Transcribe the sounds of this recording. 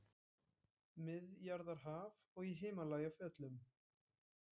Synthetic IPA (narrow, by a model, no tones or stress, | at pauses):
mɪðjaɾðaɾ̥ɦav | ɔɣiɦeːmalaːjɣafɛt̪lʏm